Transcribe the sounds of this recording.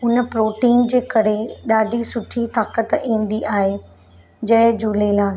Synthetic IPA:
ʊnəpɾoːʈiːnd͡ʑeːkɐɾeɗaːɖʱisʊʈʰit̪aːkət̪ĩːnd̪iʔaːɦe | d͡ʑɐ̃ɦɪ̃d͡ʑuːlelaː

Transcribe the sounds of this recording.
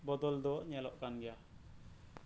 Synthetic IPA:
bɔd̪ɔld̪ɔɲɛlɔʔkanɡɛja

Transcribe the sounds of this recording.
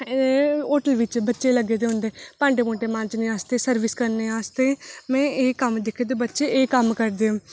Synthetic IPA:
oːʈəlʋɪt͡ʃbətːʃeːləɡeːd̪eːɦʊ̃nd̪eːpãːɳɖeːmõːʈeːmãnt͡ʃnĩːaːst̪eːsəɾʋɪskəɾneːaːst̪eːmɛ̃ːeːkəmd̪ɪkʰed̪eːbətːʃeːkəmkəɾd̪eːõː

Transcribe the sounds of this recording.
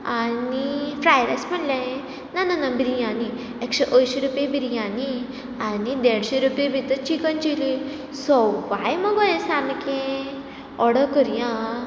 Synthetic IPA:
anifɾajɾasməɳlaẽ | nananãbiɾijani | ekɕeʔəjɕeɾupjebiɾijãni | anid̪eɽɕeɾupjebʱit̪ət͡ɕikənt͡ɕili | sɔʋajməɡɔjẽsamikẽ | ɔɽəkəɾjã

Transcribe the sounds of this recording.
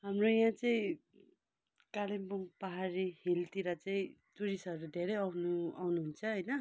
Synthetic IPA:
ɦamrojãt͡sʌĩ | kalimbuŋpaɦaɾihilt̪iɾʌt͡sãĩ | t͡suɾisʌɾud̪ʱeɾʌjʌwnuawnuɦunt͡sʰʌɦʌjnʌ

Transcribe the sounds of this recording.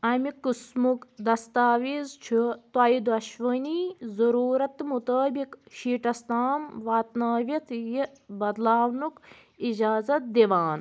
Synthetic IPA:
ɐmikɨsmukd̪ɐst̪aːʋiːzt͡ʃʰut̪waid̪uɐʃʋəniːzɐɾuːɾɐt̪mut̪əːbikʃiːʈɐst̪aːmʋaːt̪naːʋɐt̪ʰji | bɐd̪laːʋnuk | id͡ʒaːzɐt̪̚d̪eʋaːn

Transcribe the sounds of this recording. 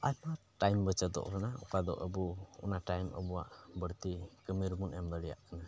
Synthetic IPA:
ajma | ʈajmbət͡ʃəd̪ɔ̰ʔɾanaɔ̰kad̪ɔ̰ʔəbuɔ̰naʈajmə̰bɔwaʔbəɽt̪ikəmiɾmunɛmd̪əɽɛja̰ʔkana

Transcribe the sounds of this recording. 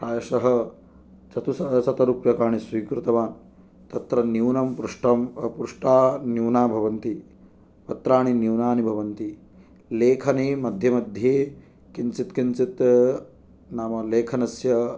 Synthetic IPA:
ɾaːjɐʃɐɦɐ | t͡ʃɐt̪usɐt͡ʃɐt̪ɐɾupjɐkaːɳisʋiːkɾut̪ɐʋaːn | t̪ɐt̪ɾɐniwnɐmpɾuʂʈɐmpɾuʂʈaːnjuwnaːbʱɐʋɐnt̪i | pɐt̪ɾaːɳiniwnaːnibʱɐʋɐnt̪i | leːkʰɐneːmɐd̪ʱjɐmɐd̪ʱjeː | kint͡ʃit̪kint͡ʃit̪ | naːmɐleːkʰɐnɐsjɐ

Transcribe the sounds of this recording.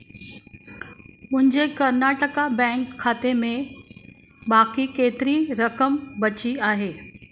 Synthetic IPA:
mʊ̃ɦɪ̃ɲd͡ʑekɐɾnaːʈəkabɛ̃ːŋkʰːaːt̪emẽ | baːkikeːt̪ɪɾiɾɐkəmbɐt͡ɕiaːɦeː

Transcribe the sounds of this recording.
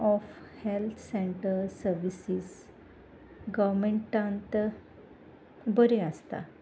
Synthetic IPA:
ɔfhelt̪ʰseɳʈəɾsəɾʋisis | ɡəʋmeɳʈːãnt̪ | bəɾeast̪a̰

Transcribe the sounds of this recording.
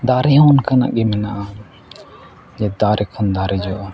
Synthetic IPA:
d̪aɾɛjɔnkana̰ʔɡɛmɛnaʔa | d͡ʒɛd̪aɾʔɛkʰɔnd̪aɾɛd͡ʒɔʔ

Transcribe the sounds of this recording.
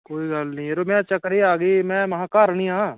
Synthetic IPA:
koːiɡalnĩɾomɛ̃ːt͡ʃɐkɾiaːɡəimɛ̃ːmɐɦaːkaːɾnĩã

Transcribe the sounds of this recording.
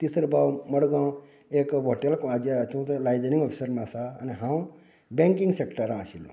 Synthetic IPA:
t̪isɾbawməɽɡãw | ekʋʱoʈelkad͡ʒjat̪ʰũt̪lajd͡zeniŋɡɔpʰi̥səɾmãsa̰ːniɦãw | bẽŋkiŋɡsekʈəɾãsilṵ̃

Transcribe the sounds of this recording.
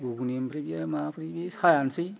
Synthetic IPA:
ɡuɡunimpɾibiamafɾibisxajansi

